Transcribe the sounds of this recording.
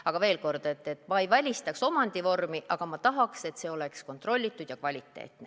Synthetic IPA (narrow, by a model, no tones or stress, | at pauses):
ɑɡ̥ɑve̞ːlko̞rd̪̥e̞t̪ːe̞t̪ːˑmɑejvælʲist̪ɑkso̞mɑnd̪̥ivo̞rmiʔɑɡ̥ɑmɑt̪ɑɦɑkse̞t̪ːse̞ːo̞leksko̞nt̪ro̞lʲːit̪ˑːud̪̥jɑkvɑlʲit̪ːˑe̞̰ːt̪ne